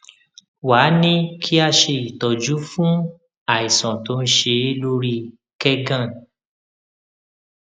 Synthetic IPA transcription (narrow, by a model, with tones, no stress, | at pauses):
waː˨˦nĩ˦kʰi˦a˧ʃe˧i˨tɔ˨d͡ʒu˨˦fũ˦ | a˨i˨sɔ̃˨to˧˦n̩˦ʃe˧e˦lo˧ɾi˧ | kɛ˦ɡã˦˨